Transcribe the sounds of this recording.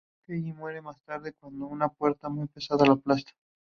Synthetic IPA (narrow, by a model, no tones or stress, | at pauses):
kejimwe̞ɾemast̪aɾðekwand̪ounapwe̞ɾt̪amujpe̞saðalaplast̪ḁ